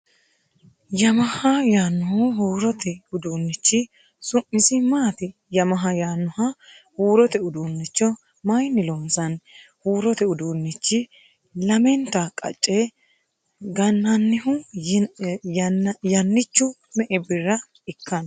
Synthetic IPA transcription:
jɐmɐhɐjaːnːʊhʊɦuːɾɔt̪ɛʊd̪uːnːɪt͡ʃːɪ | sʊmːɪsɪmaːt̪ɪ | jɐmɐɦɐjaːnːʊhɐ | huːɾɔt̪ɛʊd̪uːnːɪt͡ʃːɔ | mɐjnːɪlɔmsɐnhuːɾɔt̪ɛʊd̪uːnːɪt͡ʃːɪ | lɐmɛnt̪ɐkʼɐ̰t͡ʃʼːɛ | ɡɐnːɐnːɪhʊ | jɐnːɪt͡ʃːʊmɛʔɛbɪrːɐ | ɪkʰːɐn

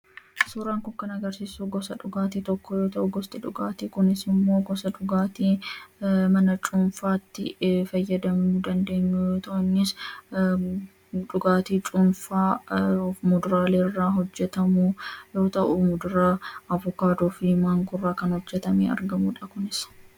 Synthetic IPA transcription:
suːɾaːŋkʊŋkɐnɐɡɐɾsiːsuːɡɔsɐᶑʊɡaːt̪iːt̪ɔkːɔjoːt̪ɐʔʊɡɔst̪ʼɪᶑʊɡaːt̪iːkʊnɪsɪmːo̞ːɡɔsɐᶑʊɡaːt̪iː | mɐnɐt͡ʃʼʊnfaːt̪ːɪ̰fɐjːɐd̪ɐmuːd̪ɐnd̪e̞ːɲːuːjoːt̪ɐʔʊnːɪs | ᶑʊɡaːt̪iːt͡ʃʼʊnfaː | mʊd̪ʊɾaːleːrːaːɦɔd͡ʒːɛt̪ɐmujo̞ːt̪ɐʔʊmʊd̪ʊɾaːɐvʊkaːd̪oːfɪmaːŋɡʊrːaːkɐnhɔd͡ʒːɛt̪ɐmḛːɐ̰ɾɡɐmuːᶑɐkʊnɪs

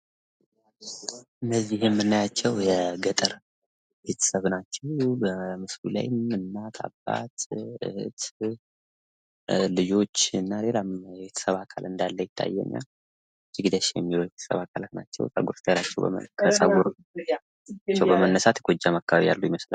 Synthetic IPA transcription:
ʔɨnːəzːihjɛmːɨnːajat͡ʃːɛwjɛɡət̪ʼəɾ | be̞t̪ʰə̥səβnat͡ʃːɛwbəmɨslṵla̰jmɨnːat̪ʰa̰bːa̰t̪ɨ̰hɨ̰t̪ | lɨd͡ʒo̞t͡ʃːɨnːale̞lamjɛβe̞t̪ʰə̥səβakʰa̰lɨnd̪alːəjɪt̪ʰːa̰jːɛ̰ɲːa̰ | d͡ʒɨɡd̪əʃjɛ̰mːilobet̪ʰə̥sə̰βakʰalat̪na̰t͡ʃːɛ̰wsʼə̰ɡuɾst̪əjalat͡ʃːɛw̰kʰəsʼəɡuɾ | at͡ʃːɛwbəmənːəsat̪jɛɡod͡ʒamakːəβaβija̰lːujɪməsla̰

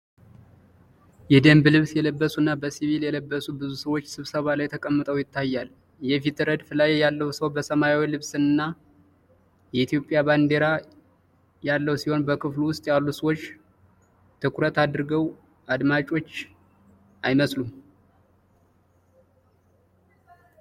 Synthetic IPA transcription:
jɛd̪əmblɨβsjɛləbːəsunːabəsiβiljɛləbːəsubɨzusəwot͡ʃːsɨβsəβalajt̪ʰəkʼəmːət̪ʼəwjɪt̪ːajːal | jɛfit̪ɨɾəd̪fɨlajejalːəwsəwbəsəmajawilɨβsɨnːa | jɛit̪ʰjo̞pʼːjaband̪e̞ɾa | jalːəwsiho̞nbəkʰɨfluwʊst̪ʼjalːusəwo̞t͡ʃː | t̪ʰɨkʰɾət̪ad̪ɾɨɡəw | ad̪mat͡ʃʼo̞t͡ʃː | ʔajməslum

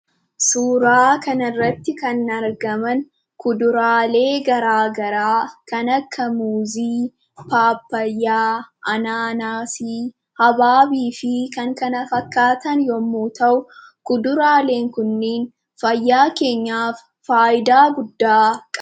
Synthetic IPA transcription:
suːɾaːkɐnɪrːɐt̪ːɪkɐnːɐɾɡɐmɐn | kʊd̪ʊɾaːle̞ːɡɐɾaːɡɐɾaːkɐnɐkʰːɐmuːziː | paːpːɐjːaːʔɐnaːnaːsi | hɐbaːbiːfɪkɐŋkɐnɐfɐkːaːt̪ɐnjɔmːuːt̪ɐʔʊkʊd̪ʊɾaːle̞ːŋkʊnːeːn | fɐjːaːke̞ːɲːaːfːaːʔɪd̪aːɡʊd̪ːaːkʼɐ

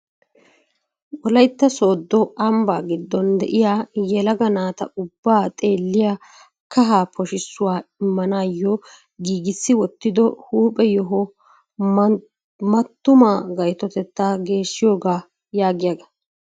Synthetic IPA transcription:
wɔlɐjt̪ːɐso̞ːd̪ːɔɐmbaːɡɪd̪ːɔnd̪ɛ̰ʔɪjaːjɛlɐɡɐnaːt̪ɐʔʊbːaːt̪ʼe̞ːlːɪja | kɐɦaːpʰɔʃɪsːʊwaːɪmːɐnaːjːɔ | ɡiːɡɪsːɪwɔt̪ːɪd̪ɔhuːpʼɛjɔɦɔ | mɐt̪ːʊmaːɡɐjt̪ɔt̪ɛt̪ːaːɡe̞ːʃːɪjoːɡaː | jaːɡɪjɐɡɐ̥

